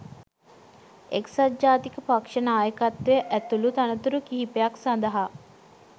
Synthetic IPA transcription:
eksad͡ʒaːt̪ikəpakʂənaːjəkat̪ʋejəʔæt̪ulut̪anət̪uɾukiɦipejaksand̪əɦa

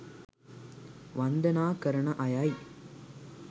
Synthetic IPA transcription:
ʋɐnd̪ɐnaːkɐɾɐɳɐʔɐjaːj

